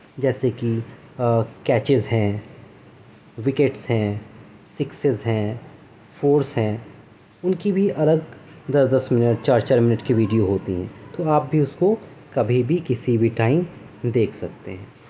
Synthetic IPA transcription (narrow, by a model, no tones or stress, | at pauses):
d͡ʒɛːseki | kɛːt͡ʃɪzɦɛ̃ː | ʋɪkeʈsɦɛ̃ː | sɪksɪzɦɛ̃ː | fʰoːɾsɦɛ̃ː | ʊnkibʱiʔɐləɡd̪ɐsd̪ɐsmɪnəʈ̚t͡ʃaːɾt͡ʃaːɾmɪnəʈkiʋiːɖijoɦoːt̪iɦɛ̰̃ːt̪oaːp̚bʱiʊsko | kɐbʱibʱikɪsibʱiʈaːɪm | d̪eːkʰsɐk̚t̪eɦɛ̃ː